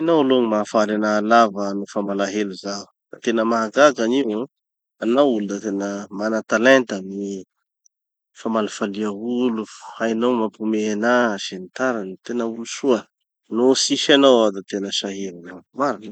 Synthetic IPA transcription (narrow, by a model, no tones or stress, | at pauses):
inawloŋimafaɾanaːlavənufamalaɦeluzau | nat̪enəmaaɡaɡaniw | anawulud̪at̪enəmanat̪alɛnt̪ami | famalafaliəuluhainawmapumeanaʃent̪aɾant̪enəulusuə | nosiʃanawad̪at̪enəʃaɦiɾanavmaɾini